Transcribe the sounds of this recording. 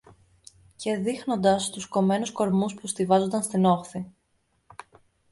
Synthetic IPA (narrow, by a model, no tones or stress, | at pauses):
ce̞ðixno̞nd̪ɐst̪usko̞me̞nusko̞ɾmuspust̪ivɐzond̪ɐnst̪ino̞xθi